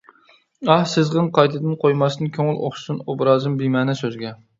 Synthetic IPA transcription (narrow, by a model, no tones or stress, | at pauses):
ɑhsɪzʁɨnqʰɑjt̪ʰɨd̪ɨnqʰojmɑst̪ɨnkʲʰøŋɪlˠo̰χʃu̥sɨnobɾɑːzɨmbimɛːnɛsøzɡʲɛ